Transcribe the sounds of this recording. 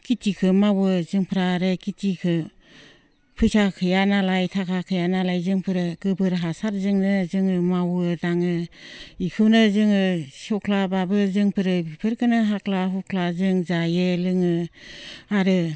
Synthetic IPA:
kitikʰɯmawɯzɯŋpʰɯɾaɾɯkitikʰɯ | pʰɯsakʰɯjanalajtʰakʰakʰɯjanalajzɯŋpʰɯɾɯɡ̥ɯbɯɾɦasaɾ̚zɯŋnɯzɯŋɯmawɯdaŋɯikʰɯwnɯzɯŋɯsɔkʰlababɯzɯŋpʰɯɾɯbipʰɯɾkɯnɯɦakʰlaɦukʰlazɯŋzajelɯŋɯ | aɾɯ

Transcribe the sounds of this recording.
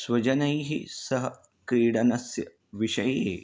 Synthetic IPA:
sʋɐd͡ʑɐnɐiɦisɐɦ | kiːɽɐnɐsjɐ | ʋiɕɐje

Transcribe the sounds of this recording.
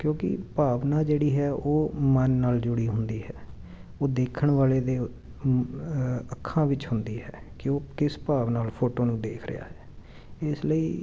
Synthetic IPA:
kjõːkɪ̰paːʋnaːd͡ʒeːɽiːɦɛːʔoːmənːaːld͡ʒʊɽiːɦʊnd̪iːɦɛː | oːd̪eːkʰəɳʋaːleːd̪eː | əkʰːãːʋɪt͡ʃɦʊnd̪iːɦɛ̰ːkɪoːkɪspaːʋnaːlpʰoːʈoːnũːd̪eːkʰɾɪ̰ja̰ːɦɛː | ɪsləiː

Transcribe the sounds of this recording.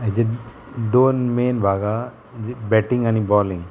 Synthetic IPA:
d͡ʒe | d̪oːnmeːnbʱaːɡa | bɛʈĩŋɡanibɔːlĩŋ

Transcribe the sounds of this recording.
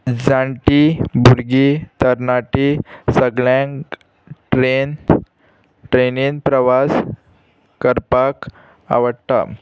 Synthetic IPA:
d͡zãɳʈibuɾɡit̪əɾnaʈisəɡɭãŋ | ʈɾen | ʈɾeninpɾəʋas | kəɾpak | a̰ʋəɽt̪a̰

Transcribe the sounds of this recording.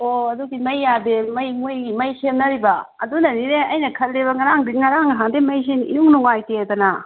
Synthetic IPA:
oɐdukimɐjːademɐjmujimɐjsemnɐɾibɐɐdunɐniɾeɐjnɐkʰɐlːiβɐŋɐɾaŋdiŋɐɾaŋɐɦaŋdemɐjs̬enḭnuŋnuŋajtedɐna

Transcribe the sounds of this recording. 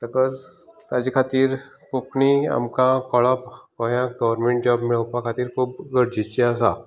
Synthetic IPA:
t̪əkɔd͡zt̪ad͡ʑikʰat̪iːɾ | kokɳia̰mkãkɔɭapkɔjãɡəʋəɾmeɳʈ̚d͡ʑɔbmiɭəpãkʰat̪iːɾkʰuːb̚ɡəɽd͡ʑit͡ɕiasa

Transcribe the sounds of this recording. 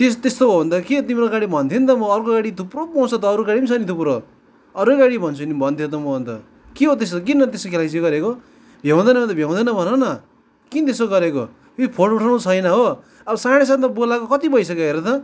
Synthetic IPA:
t̪est̪est̪oɦobʱʌnt̪ʌkeot̪imeɾoɡaɽibʱʌnt̪ʰint̪ʌmʌːrkoɡaɽit̪ʰupropʌwt͡sot̪ʌːɾuɡaɽipsʰʌnit̪ʰupɾo | ʌɾkoɡaɽibʱʌnt͡sʰunibʱʌnt̪ʰijot̪̬ʌmʌbʌnt̪ʌ | kiɦot̪̬est̪ok̬inːʌt̪esokʰelas̬ioɡʌɾeko | bʱjaw̃d̪ʌnʌbʱʌnt̪ʌbʱjaw̃d̪ʌnʌbʱʌnonʌ | kit̪esoɡʌɾeko | ipʰoʈuʈʰãũt͡sʰʌjnʌɦo | ʌbʌsaɽ̃es̬ãt̪ʌbolakokʌt̪ibʌjsʌkeɦeɾʌt̪ʰʌ

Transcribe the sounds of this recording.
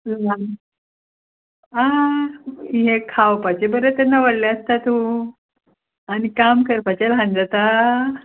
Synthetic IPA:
la | a | ɦẽkʰawpat͡ɕebəɾət̪ɛnːaʋəɽlaəst̪at̪u | añikamkəɾpat͡ɕelɦãnd͡zat̪a

